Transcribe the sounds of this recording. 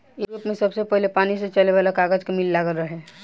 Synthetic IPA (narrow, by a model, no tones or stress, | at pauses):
uɾupmẽsəbsepəɦlepaːniset͡ʃəleβalakaɡəd͡ʒkemilːaɡəlɾəɦe